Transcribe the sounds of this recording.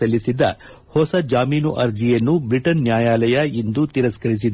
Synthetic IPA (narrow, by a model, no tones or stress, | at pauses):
ɐlːisid̪ɐ̰ | hɔsɐd͡ʒaːmiːnuʔɐɾd͡ʒijɐnːubɾiʈɐnːjaːjaːlɐjɐind̪ut̪iɾɐskɐɾis̬id̪